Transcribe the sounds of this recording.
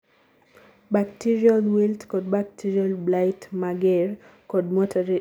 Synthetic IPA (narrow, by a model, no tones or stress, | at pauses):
bak̚tiɾialwiltkɔd̚bak̚tʰiɾialblajtmaɡɛrkɔd̚mɔtʰaɾi